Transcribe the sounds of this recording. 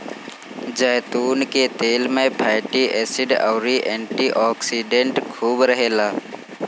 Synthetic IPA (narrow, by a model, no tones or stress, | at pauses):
d͡ʒəɦt̪uːnket̪eːlmẽpʰaːʈiʔɛːsɪɖa̰ʊɾiʔɛ̃ːɳʈiʔɔːksiɖẽɳʈkʰuːbɾəɦeːlaː